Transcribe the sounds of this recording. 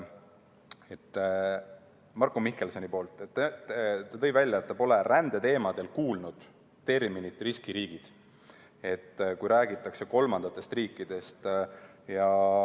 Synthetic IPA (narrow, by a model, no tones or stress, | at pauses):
e̞t̪ː | mɑrkːˑomihke̞lso̞nipo̞ːlt̪ːˑet̪ːet̪ːɑt̪ɤ̞jvælʲːjɑet̪ːɑpo̞le̞rænd̪̥e̞t̪e̞ːmɑd̪̥e̞lkuːlnud̪̥ | t̪e̞rminit̪riskiɾiːɡ̥id̪̥ | e̞t̪ːkujɾæːɡ̥it̪ːˑɑkse̞ko̞lmɑnɑt̪ːˑe̞st̪riːkːˑid̪̥e̞st̪jɑ